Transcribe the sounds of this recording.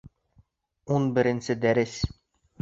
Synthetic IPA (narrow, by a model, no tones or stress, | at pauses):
unbɘ̆ɾɘ̆nsɘd̪æɾɘs